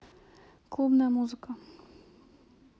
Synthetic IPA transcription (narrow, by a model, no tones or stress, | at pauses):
klˠubnamuzika